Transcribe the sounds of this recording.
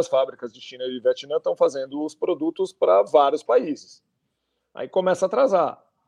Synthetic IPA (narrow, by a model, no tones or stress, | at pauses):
ɐsfabɾikɐzd͡ʒɪʃĩnɐivet͡ʃinɐ̃t̪ɐ̃w̃fazẽnd̪ʊːspɾod̪ut̪ʊspɾɐvaɾjʊspaizɪs | a̰ikõmɛsɐːt̪ɾaza